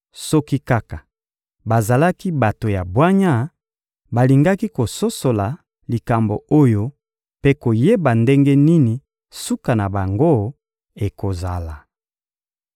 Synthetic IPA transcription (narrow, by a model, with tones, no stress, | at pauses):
sɔ˦ki˦ka˦ka˨ | ba˨za˨la˦ki˦ba˨to˨ja˨bwa˦ɲa˦ | ba˨li˨ŋɡa˦ki˦ko˨so˦so˨la˨ | li˨ka˨mbo˨o˦jo˦ | pe˦ko˨je˦ba˨nde˦ŋɡe˦ni˦ni˨ | su˦ka˨na˨ba˨ŋɡo˦ | e˨ko˨za˨la˨